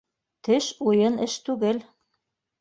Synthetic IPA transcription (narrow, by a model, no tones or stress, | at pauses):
t̪ɘʃujɤnɘʃt̪ʉɡɘl